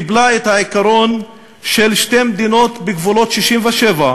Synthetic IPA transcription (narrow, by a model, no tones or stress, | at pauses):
iblaet̪haikaɾo̞n | ʃelʃtemed̪ino̞t̪beɡvulo̞tʃiʃimveʃeva